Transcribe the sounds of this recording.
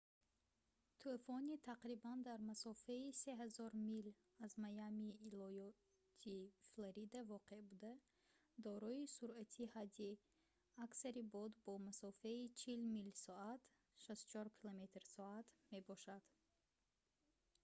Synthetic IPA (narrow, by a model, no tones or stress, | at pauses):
t̪ʰelfɔnit̪ʰaqɾiband̪aɾmasɔfeise̞ɦazɔɾmil | azmajamiːlɔjɔ | t̪ʰifloɾid̪avɔqe̞bud̪a | d̪ɔɾɔisuɾæt̪ʰihad͡ʒ̪i | aksaɾibɔd̪bɔmasɔfeit͡ʃʰilmilsɔat̪ | ʃast̪u̥t͡ʃʰɔɾkʰilome̞t̪ɾsɔat̪me̞bɔʃad̪̥